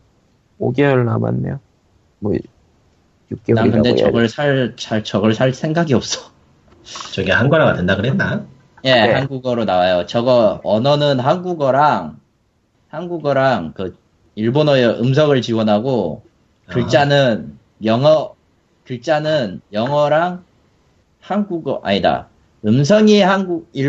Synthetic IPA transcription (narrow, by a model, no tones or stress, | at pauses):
oɡeʌɭna̰ma̰nːḛo | mʌ | juk̚k͈ekɯnde̞t͡ɕʌɡʌɭsʰaɭt͡ɕʰaɭt͡ɕʌɡʌɭsʰaɭsʰe̞ŋɡaɡiʌp̚s͈ʌ̥ | t͡ɕʌɡiaɦanɡʌɾaɡadendaɡɯɾenːa | je̞hanɡuɡʌɾonawajot͡ɕʌɡʌʌnʌnɯnɦanɡuɡʌɾaŋ | hanɡuɡʌɾaŋkɯ | iɭbonʌjʌʔɯms̬ʰʌɡɯɭt͡ɕiwʌnɦaɡo | kɯɭt͡ɕ͈anɯn | jʌŋʌ | kɯɭt͡ɕ͈anɯnjʌŋʌɾaŋ | hanɡuɡʌʔa̰ɲida̰ | ɯmsʰʌŋihanɡuɡiɭ